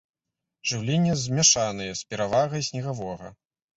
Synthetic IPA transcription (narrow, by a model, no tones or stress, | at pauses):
ʐɨwlʲenʲːɛzʲmʲɛʂanɨjɛspʲɛɾavaɣɐjsʲnʲɛɣavɔɣɐ̰